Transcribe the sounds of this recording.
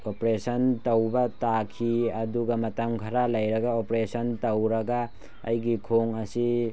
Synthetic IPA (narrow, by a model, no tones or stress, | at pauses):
opɾesɐntɐwbɐtakʰiɐduɡɐmɐtɐmkʰɐɾalɐjɾɐɡaopɾesɐntɐwɾɐɡa | ɐ̰jɡikʰoŋɐsi